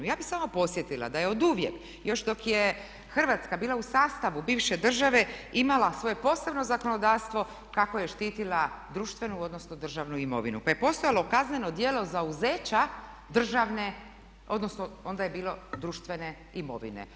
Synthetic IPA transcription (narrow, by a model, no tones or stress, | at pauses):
ujaːbixsaːmopo̞sjet̪ilˠa̰d̪ajeo̞d̪uʋjḛk | jo̞ʃd̪o̞kje | xr̩ʋat̪skabiːlausaːst̪aʋubiːʋʃe̞d̪r̩ʒaʋe̞imalasʋo̞je̞po̞ːse̞bno̞zako̞no̞d̪aːʋst̪ʋo̞ | kako̞jeʃt̪iːt̪ilad̪ɾuːʃt̪ʋe̞nuo̞d̪no̞snod̪r̩ʒaʋnuimo̞̰ʋinupaje̞po̞st̪o̞jalo̞kazne̞no̞d̪jelo̞zauze̞ːt͡ɕa | d̪r̩ʒaʋne̞ | o̞d̪nosnoo̞nd̪ajebiːlo̞d̪ɾuːʃt̪ʋe̞ne̞ | imo̞̰ʋḭne̞̰